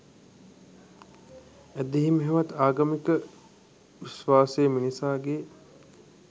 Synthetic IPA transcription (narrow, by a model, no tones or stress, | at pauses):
æd̪eɦimɦeʋat̪aːɡamikə | ʋiʃʋaːsejminisaːɡeː